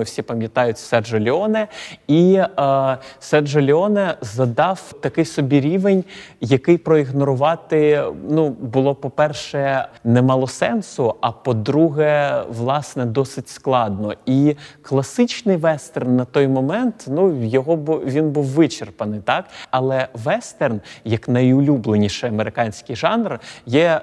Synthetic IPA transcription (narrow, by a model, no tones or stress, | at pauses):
wsʲipɐmʲjɐt̪ɑjʊtʲsɛrʒɔlʲɪɔnɛi | sɛrʒɔlʲɪɔnɛzɐd̪ɑwt̪ɐkɪjsɔbʲiɾʲiʋenʲjɐkɪjpɾɔiɣnɔɾʊʋɑt̪ɪnubʊlˠɔpɔpɛrʃɛnɛmɑlˠɔsɛnsʊɐpɔd̪ɾuɦɛʋlˠɑsnɛd̪ɔsɪtʲsklˠɑd̪nɔiklˠɐsɪt͡ʃnɪjʋɛst̪ernːɐt̪ɔjmɔmɛnt̪nujɔɦɔbʋʲinbuwːɪt͡ʃerpɐnɪjt̪ɑkɐlˠɛʋɛst̪ɛrnjɐknɐjʊlʲublˠenʲiʃɪɐmeɾɪkɑnʲsʲkɪjʒɑnrjɛ